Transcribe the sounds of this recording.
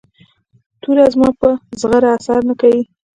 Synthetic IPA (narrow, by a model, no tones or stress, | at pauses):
t̪ʰuɾazmɑpəzɣaɾaasaɾnakawi